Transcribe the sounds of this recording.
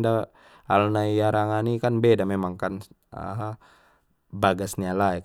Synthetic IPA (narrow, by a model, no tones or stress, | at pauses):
da | a̰lnaijaɾaŋanikanbedamemaŋkan | ə̰ɦ | baɡasɲalaɛk